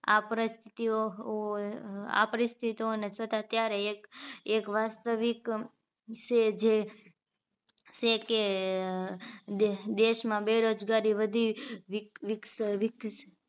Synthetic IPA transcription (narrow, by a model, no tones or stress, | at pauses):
apəɾist̪ʰi̥t̪io | a̰pəɾist̪ʰit̪ionesət̪at̪jaɾekekʋast̪əʋik | ʃed͡ʒe | ʃeke | d̪eʃmãbeɾod͡ʒɡaɾiʋəd̪ʱiʋʋksʋɪkt͡ʃe